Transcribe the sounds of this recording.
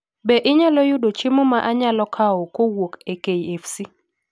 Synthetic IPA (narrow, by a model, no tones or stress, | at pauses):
bɛʔɪɲalɔjʊdot͡ʃimomaʔaɲalɔkʰaɔkowokekeiefsi